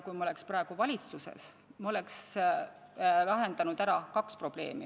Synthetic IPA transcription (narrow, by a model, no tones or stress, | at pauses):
kujmɑole̞ksprɑˑe̞ɡ̥uvɑlʲit̪susḛs | mɑo̞le̞ks | læɦe̞nd̪̥ɑnud̪̥æɾɑkɑkspro̞b̥le̞̰ːmi